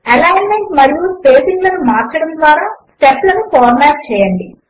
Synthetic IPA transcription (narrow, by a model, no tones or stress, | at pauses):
ɐlaːjɐnme̞ɳʈmɐɾijupeːsiŋɡlɐnumaːɾt͡ʃɐɽɐmd̪ʋaːɾaːsʈeplɐnufoːɾmaːp̚t͡ʃɛːjɐɳɖi